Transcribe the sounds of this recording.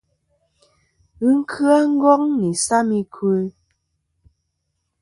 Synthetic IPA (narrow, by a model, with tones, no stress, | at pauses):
ɨ˦ŋ̩˦kʰɰa˦ŋ̩˦ɡɔ˦ŋni˨sa˦mi˦kʰwə˦